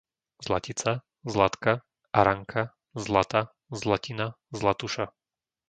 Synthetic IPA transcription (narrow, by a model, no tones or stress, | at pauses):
zlacit͡sa | zlat̪ka | aɾaŋkʰa | zlat̪a | zlacina | zlat̪uʃa